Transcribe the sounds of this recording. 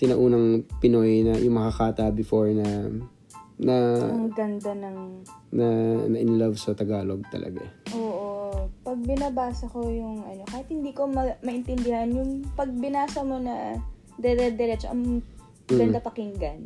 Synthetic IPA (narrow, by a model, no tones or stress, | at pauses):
t̪ɪnɐʔuːnɐŋpɪnojnɐjʊŋmɐkɐkaːt̪ɐbɪfoɹnɐ | nɐmɐɡɐnd̪anɐŋnɐnɐʔɪnlɐvsɐt̪ɐɡaːloɡ̚t̪ɐ̰lʔɐ̰ɡa̰ʔoːʔopɐɡ̚bɪnɐbaːsɐko̞jʊŋʔɐno̞kaːhɪt̪̚hɪnd̪iːko̞mɐmɐʔɪnt̪ɛnd̪ɪhɐnjʊŋpɐɡ̚bɪnaːsɐmo̞nɐ | d̪ɛɾɛd̪ɛɾɛt͡ʃoʔɐ̰ŋ | ɡɐnd̪ɐpɐkɪŋɡɐn